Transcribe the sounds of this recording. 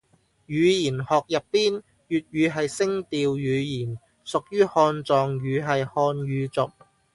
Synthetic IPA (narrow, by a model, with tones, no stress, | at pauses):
jyː˨˧jiː˨˩nhɔː˨k̚jɐ˨ppːiː˥n | jyː˨t̚ɥyː˨˧ɦɐ˨jsɪ˥ŋt̪iː˨˧wjyː˨˧jiː˨˩n | sʊ˨k̚jyː˥hɔː˧nt͡sɔː˨ŋɥyː˨˧ɦɐ˨jhɔː˧nɥyː˨˧t͡sʊ˨p̚